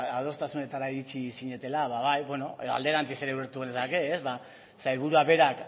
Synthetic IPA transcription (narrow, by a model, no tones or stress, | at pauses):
aðo̞st̪asune̞t̪aɾaiɾit͡ʃisiɲe̞t̪e̞laβaβajbe̞no̞eðoa̰ld̪e̞ɾant͡sise̞ɾeβeɾt̪uɣenesake̞ːzβa | sajɾβ̞uɾuaβe̞ɾak